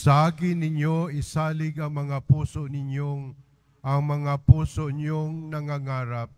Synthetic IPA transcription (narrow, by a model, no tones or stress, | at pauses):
sɐʔaːkɪnɪɲjoɪsaːlɪɡɐŋmɐŋapuːsoʔnɪɲjoŋ | ʔɐŋmɐŋapuːsoɲjoŋnɐŋaŋaːɾap̚